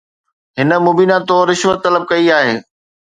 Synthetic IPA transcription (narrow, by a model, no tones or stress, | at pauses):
ɦɪnə̆mʊbiːnãt̪oːɾːɪʃʋət̪ːɐləb̚kɐiaːɦeː